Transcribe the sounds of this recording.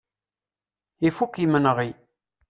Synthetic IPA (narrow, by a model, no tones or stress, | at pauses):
ifukːimənʁi